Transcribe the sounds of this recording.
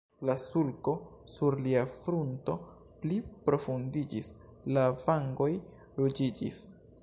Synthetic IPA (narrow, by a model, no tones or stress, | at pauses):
lasulko̞suɾliafɾunto̞ | plipɾo̞fundid͡ʒislavaŋɡo̞j | lod͡ʒid͡ʒḭs